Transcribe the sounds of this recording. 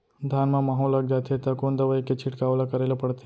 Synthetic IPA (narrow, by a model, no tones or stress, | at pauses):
d̪ʱanmãmaɦolak̚d͡ʒat̪ʰet̪akond̪ɐʋaiket͡ʃʰiʈkaʋlakəɾelopəɽt̪e